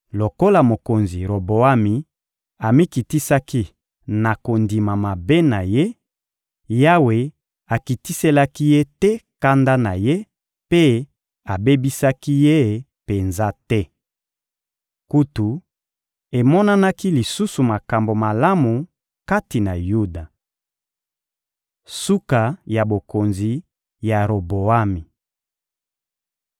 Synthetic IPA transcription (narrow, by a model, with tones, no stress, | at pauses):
lo˨ko˦la˨mo˨ko˨nzḭ˨ʁo˨bo˨a˦mi˨ | a˨mi˦ki˨ti˦sa˦ki˦ | na˨ko˨ndi˨ma˨ma˨be˦na˨je˦ | ja˦we˨ | a˨ki˨ti˦se˦la˦ki˦je˦tɛ˦ka˦nda˦na˨je˦ | pe˦ | a˨be˦bi˦sa˦ki˦je˦˨ | pe˨nza˦tɛ˦ | ku˦tu˨ | e˨mɔ˦na˦na˦ki˦li˨su˦su˨ma˨ka˨mbo˨ma˨la˦mu˨ | ka˦ti˨na˨ju˦da˨ | su˦ka˨ja˨bo˨ko˨nzi˨ | ja˨ʁo˨bo˨a˦mi˨